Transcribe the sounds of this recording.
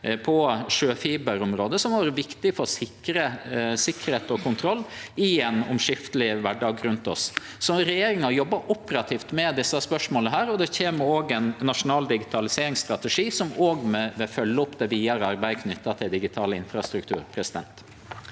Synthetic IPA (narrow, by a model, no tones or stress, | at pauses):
pʰɔʂøːfiːbəɾʊmɾoːd̪əsɔmʋɑːɾəʋɪkt̪ɪfɔɾsɪkːɾəsɪkːəɾheːt̪ɔkʰʊnt̪ʰɾɔlːɪɛnʊ̰mʂɪft̪əlɪʋæɖɑːɡɾʉnt̪ɔ̰sː | ɔɾɛjeːɾɪŋɑjɔbːɑʔʊpəɾɑt̪ʰiːft̪mɛd̪ɪsːɑspœʂmoːləɦæːɾɔd̪ɛçeːməɾoːɡɛnːɑʂʊnɑːld̪ɪɡɪt̪ʰɑlɪseːɾɪŋst̪ɾɑt̪ɛʂiːsɔmoːɡmɛʋɛfœlːəʊpd̪ɛʋiːɑɾəɑɾbæɪkʰnʏt̪ːɑt̪ʰɪld̪ɪɡɪt̪ʰɑːləɪnfɾɑst̪ɾʉkt̪ʰʉ̰ːɾpʰɾɛsɪd̪ɛ̰nt̪